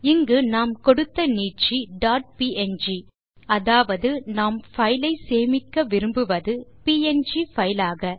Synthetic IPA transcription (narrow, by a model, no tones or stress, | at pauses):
ɪŋɡɯnaːmkɔɽɯt̪ːɐniːt͡ʃiɖaːʈ̚piʔɛnd͡ʒi | ɐðaːʋɐðɯnaːmfɐjɪlɐɪseːmɪkːɐʋɪɾɯmbɯʋɐðɯpiːɛnd͡ʒifɐjɪlaːɣɐ